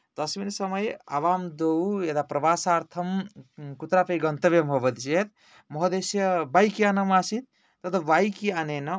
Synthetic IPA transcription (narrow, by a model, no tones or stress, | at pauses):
t̪ɐsminsɐmʌja̰ʋaːmd̪owed̪apɾɐʋaːsaːɾt̪ʰɐmkut̪ɾapejɡɐnt̪ɐʋjɐmɦobɐd̪t͡ʃet̪ | mɔɦd̪esjɐbajkianɐmaːsit̪̚ | t̪ɐt̪ɔʋajkianenɐ